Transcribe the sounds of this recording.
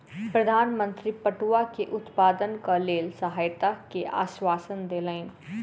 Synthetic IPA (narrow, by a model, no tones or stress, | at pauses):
pɾəd̪ʱaːnmə̃nt̪ɾipəʈuakeʔʊt̪paːd̪ənkaleːlsəɦaːjt̪akeʔa̰ːʃwaːsənd̪eːləɪn